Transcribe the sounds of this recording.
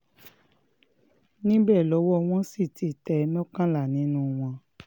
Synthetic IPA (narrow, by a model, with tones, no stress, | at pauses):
nĩ˦bɛ˦˨lɔ˨˦wɔ˦˧w̃ɔ̃˦si˦˨ti˨tɛ˨˦nɔ̃˦kã˦la˦˨nĩ˨˦nũ˦w̃ɔ̃˧